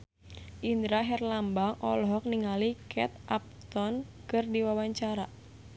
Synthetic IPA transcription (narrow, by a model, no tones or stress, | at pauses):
ʔind̪ɾaɦɛrlambaŋʔɔ̰lɔɦɔk̚niŋalikʰɛt̪̚ʔap̚t̪ɔnkɨrdiwawaɲt͡ʃaɾa